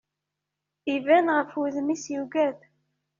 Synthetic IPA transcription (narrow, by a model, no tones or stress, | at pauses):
ivænʁəfuðmisjuɡæð